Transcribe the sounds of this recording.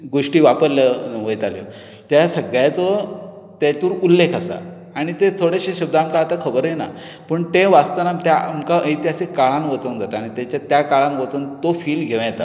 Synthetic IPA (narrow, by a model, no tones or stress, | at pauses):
ɡoʂʈiːʋapəɾlaʋəjt̪aljɔ̰ | t̪jasəɡɭjat͡sɔ | t̪at̪uːɾulːekʰasa̰ | aɽ̃it̪et̪ʰoɽeɕeɕəb̚d̪aːmkaːt̪akʰəbəɾjena̰ | pəɳt̪eʋast̪anamt̪jaamkaʔəjt̪jasekaɭanʋət͡sənd͡zat̪aɽ̃it̪jat͡ɕat̪jakaɭãnʋət͡sənt̪ofiːlɡʱeʋ̃j̃t̪a̰